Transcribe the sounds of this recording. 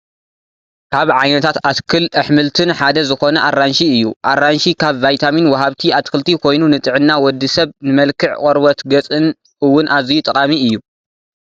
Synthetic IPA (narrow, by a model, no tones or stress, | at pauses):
kʰaβʕajnɐt̪ʰat̪at̪kʰɨlʔɨħmɨlt̪ʰɨnħad̪ɐzɨxo̞nɐʔarːanʃiɨjːṵʔarːanʃikʰaβvajt̪ʰaminwɐɦaβt̪ʰiat̪kɨlt̪ʰikʰo̞jnunɨt̪ʼɨʕɨnːawɔd̪ːisɐβnɨmɐlkʰɨʕkʼɔɾbɐt̪ɡɐt͡sʼɨn | ɨwːʊnʔazijut̪ʼɐkʼamiɨjːu